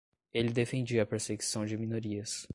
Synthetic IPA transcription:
elɪd̪efẽnd͡ʒiɐpeɾseɡisɐ̃w̃d͡ʒɪmĩnoɾiɐs

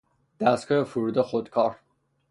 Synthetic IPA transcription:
d̪̥æskʰɒefuɾud̪exod̪kʰɒːɾ

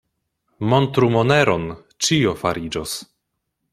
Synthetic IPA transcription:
mont̪ɾumoneɾon | t͡ʃio̞faɾid͡ʒos

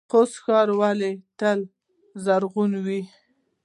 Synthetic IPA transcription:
qosxɑɾwalet̪əl | zaɾɣunwi

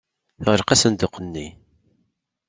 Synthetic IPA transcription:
θʁəlqæsənd̪ʊqənːi

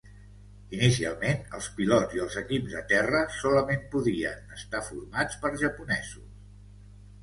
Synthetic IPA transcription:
inisia̰lˠmenəlˠspilɔziəlˠzəkipzd̪ət̪ɛrəsɔləmempuðiə̰nəst̪afuɾmat͡spəɾʒəpunɛzus

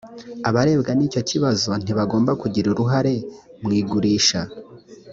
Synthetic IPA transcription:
aβaɾe̞ːbɡaniːco̞ciβazo̞n̥iβaɡo̞ːmbakuɟiɾuɾuɦaɾe̞ | mŋiːɡuɾiːʃa

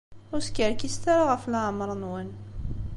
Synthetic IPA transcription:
ʊɾskəɾkist̪aɾaʁəflʕmɾˤənwən

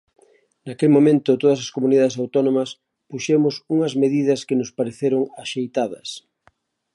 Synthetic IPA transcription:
nakelmomẽnt̪ʊt̪oðɐs̬ɐskomuniðaðes̬awt̪ɔnomɐs | puʃemʊsuŋɐzmeðiðɐskɪnʊspaɾeθeɾʊŋaʃejt̪aðɐs

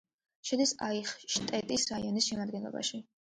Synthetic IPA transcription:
ʃɛd̪isaiχʃt̪ʼɛt̪ʼisɾaiɔnisʃɛmad̪ɡɛnlˠɔ̰ba̰ʃi

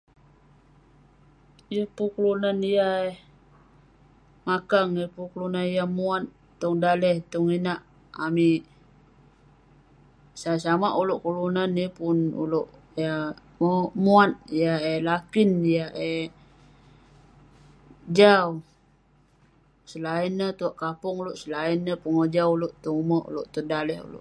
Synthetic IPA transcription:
jəhpukəlunanijae | makaŋəpukəlunanijamuat̪ | t̪ɔŋdalɛht̪ɔŋinaʔ | ami | saas̬amaʔuloʔkulunanipunṵloʔ | ja | momuat̪̚jaelakinjae | d͡ʒau | səlainːət̪uaʔkapɔŋuloʔsəlainːəpuŋəd͡ʒawuloʔt̪ɔŋuməṵloʔt̪ɔdalɛhṵlo̰ʔ

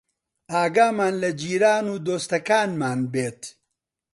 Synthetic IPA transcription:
aːɡaːmaːnlɐd͡ʒiːɾaːnuːd̪oːst̪ɐkaːnmaːnbeːt̪

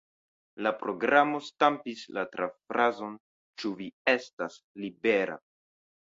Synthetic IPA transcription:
lapɾo̞ɡɾamo̞stampislatɾafɾazo̞n | t͡ʃuvie̞stas | libe̞ɾa̰

